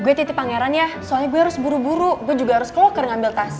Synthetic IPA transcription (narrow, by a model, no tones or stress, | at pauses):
ɡuɛt̪it̪ɪpaŋeɾanjasoalɲaɡuaaɾʊsbuɾubuɾuɡuɛd͡ʒuɡaɦaɾʊskəlokərŋambɪlt̪as